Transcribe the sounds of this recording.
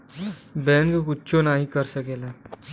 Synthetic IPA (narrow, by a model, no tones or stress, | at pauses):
bɛnɡkutːɕonaɦikəɾsəkela